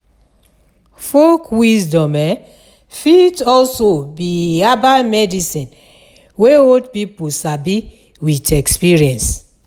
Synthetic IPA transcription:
fokʰwisdɔ̃mɛ | fitɔlsobiabamɛdisĩn | weodpipusabi | witɛkspiɹiɛ̃ns

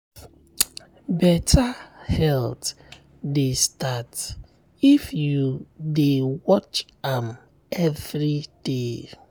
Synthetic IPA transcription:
bɛtʰahɛlt | destat | ifjudewɔt͡ʃ | ãm | ɛvɹid̥e

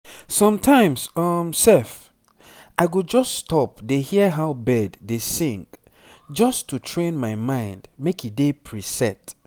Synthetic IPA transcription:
sɔ̃mtʰãɪ̃msɔmsɛf | aɪɡod͡ʒɔsːtɔp̚dehiəɦaʊbɛdːesĩŋk | d͡ʒɔstʰutʰɹẽnmaɪmãɪ̃ndmekidepʰɹisɛt

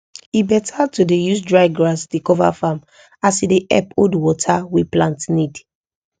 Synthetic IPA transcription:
ibɛtʰatudejusdɹaɪɡɹasdekɔva̰fam | asideʔɛ̰podwɔtʰaweplãntnid

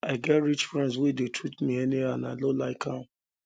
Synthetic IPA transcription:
aɪɡɛtɹit͡ʃfɹɛ̃nds̬wedetʰɹutmiɛniaanaɪlolaɪkʰa

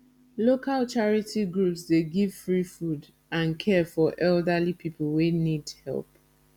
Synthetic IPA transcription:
lokʰalt͡ʃaɹitʰiɡɹupsdeɡiv̥fɹifud | ãnkʰɛfɔʔɛldalipʰipʰl̩wenidhɛ̰lp

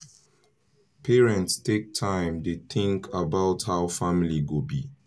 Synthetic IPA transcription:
pʰɛɹɛ̃ntstʰek̚tʰãɪ̃mdeθɪ̃ŋkʰabaʊthaʊfamiliɡobi

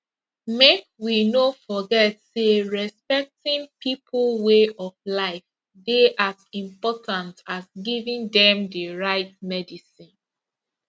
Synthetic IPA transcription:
mek̚winofɔɡɛtseɹɛspɛk̚tĩnpipʰlweʔɔflaɪf | deʔazĩmpɔtʰãntasɡivĩndɛ̃mdeɹaɪt̚mɛdisĩn

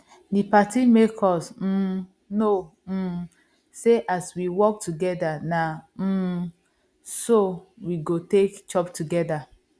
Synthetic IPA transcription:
dipatimekʰɔsm̩ | no | m̩ | seʔaswiwɔk̚tuɡɛdana | sowiɡotekd͡ʒɔptuɡɛda

